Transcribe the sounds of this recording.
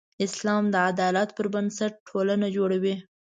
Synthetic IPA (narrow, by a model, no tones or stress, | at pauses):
ɪslɑmd̪əad̪ɑlat̪pəɾbənsaʈ̚ʈʰolanad͡ʒoɽawi